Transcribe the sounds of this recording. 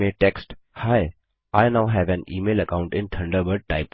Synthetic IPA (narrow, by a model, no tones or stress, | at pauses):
eʈɛksʈ | haɪ | aɪnaʊɦɛʋɛ̃niːmeːləkãʊ̃ɳʈɪ̃nt̪ʰɐ̃ɳɖəʋəɖ̚ʈaɪp